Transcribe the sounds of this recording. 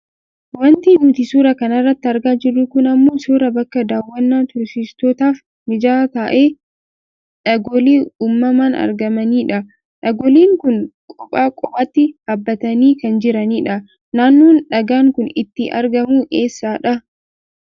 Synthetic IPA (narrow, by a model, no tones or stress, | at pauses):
wɐnt̪iːnʊt̪ɪsuːɾɐkɐnɐrːɐt̪ːɪɐɾɡaːd͡ʒɪrːʊkʊnɐmːoːsuːɾɐbɐkːɐd̪aːwːɐnːaːt̪ʊɾsɪst̪oːt̪aːf | mɪd͡ʒaːt̪aːʔeː | ᶑɐɡɔleːuːmːɐmaːnɐ̰ɾɡɐmɐniːᶑɐ | ᶑɐɡɔleːŋkʊŋkʼɔpʼaːkʼɔbʼaːt̪ːɪhɐbːɐt̪ɐniːkɐnd͡ʒɪɾɐniːᶑɐ | naːnːoːnᶑɐɡaːŋkʊnɪ̰t̪ːɪʔɐ̰ɾɡɐmuːʔeːsːaːᶑɐ